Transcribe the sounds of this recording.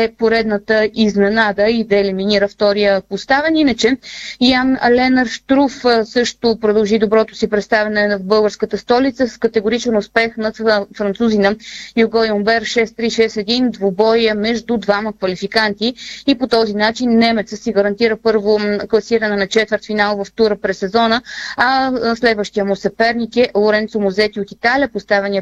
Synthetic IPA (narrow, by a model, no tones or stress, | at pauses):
ɛpoɾɛd̪nət̪əiznɛnad̪əid̪ɐɛliminiɾəft̪ɔɾijəpost̪avɛninət͡ʃɛijanlɛnəɾʃt̪ɾufsɤʃt̪ʊpɾod̪ɐlˠʒid̪obɾɔt̪ʊ̥sipɾɛt̪st̪avɛnɛnɐvbɤlˠɡəɾskət̪əst̪ɔlit̪səsskət̪ɛɡʊɾit͡ʃɛnʊspɛxnɐfɾɐnt̪suzinɐjuɡɔjombɛɾʃɛst̪ɾiʃɛsɛd̪ind̪vobɔjəmɛʒd̪ud̪vaməkvɐlifikant̪iːpot̪ɔzinat͡ʃinːɛmɛt̪səsiɡəɾɐnt̪iɾəpɤɾvoklˠɐsiɾənɛnɐt͡ʃɛt̪vəɾt̪finalˠvɐft̪uɾəpɾɛsːɛzɔnəɐslɛd̪vəʃt̪ijəmosɛpɛɾnikɛʔlˠoɾɛnt̪somozɛt̪iot̪it̪aliəpost̪avɛniə